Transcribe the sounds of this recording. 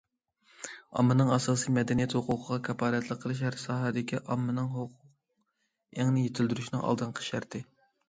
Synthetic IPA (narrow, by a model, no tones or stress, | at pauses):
ɑ̰mːɨnɨŋɑsɑːsijmɛd̪ɛnijɛt̪hʊqʰʊqʰəʁɑkʲʰɛpɑːɾɛt̪lˠəqʰːəlˠɨʃ̬æɾsɑːɦɑd̪ɪkʲʰiʔɑmːɨnɨŋɦʊqʰʊq̚ | æŋnɪjet̪ʰɪld̪yɾyʃnɨŋɑ̰lˠd̪ɨnqʰə̥ʃæɾt̪ʰɪ